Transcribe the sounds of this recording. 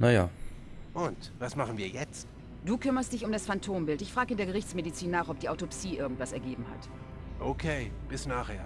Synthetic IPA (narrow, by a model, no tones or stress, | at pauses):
najaː | ʔʊntvasmaχn̩viːɐjɛt͡st | d̥uːkʰʏmɐst̚d̥ɪçʊmdasfantʰoːmbɪltɪçfʁ̥aːɡəɪndeːɐɡəʁɪçt͡smedit͡siːnːaːχɔp̚d̥iːʔaʊtopsiːʔɪɐɡŋ̩tv̥asɛɐɡeːbm̩ha̰t | ʔokʰeːb̥ɪsnaːχheːɐ